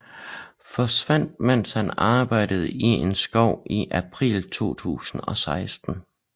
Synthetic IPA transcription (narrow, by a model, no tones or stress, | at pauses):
fɒ̽sʋæn̰d̥̚men̰shænɑ̈ːb̥ɑ̈ɪ̰d̥əð̞̩ˠie̝nsɡ̥ɒʊ̰iʔæpʰʁḭːlt͡sʰo̝̰ːt͡sʰṵːsn̩ɒ̽sɑ̈ɪsd̥n̩